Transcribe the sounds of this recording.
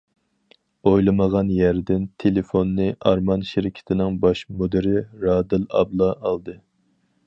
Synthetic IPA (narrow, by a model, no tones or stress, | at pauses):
ojlˠɨməʁɑnjæɾd̪ɪnt̪ʰelefonːɨʔɑɾmɑnʃɪɾɪkʲʰɪ̥t̪ʰɪnɪŋbɑʃmod̪ɪɾɪɾɑːd̪ɨlˠɑ̰blˠɑʔɑlˠd̪ɨ